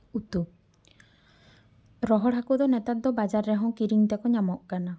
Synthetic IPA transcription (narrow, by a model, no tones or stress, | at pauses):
ut̪u | ɾɔɦɔɽɦakud̪ɔnɛt̪at̪̚d̪ɔbad͡ʒaɾːɛɦɔ̃kiɾiŋt̪ɛkɔɲamɔʔkana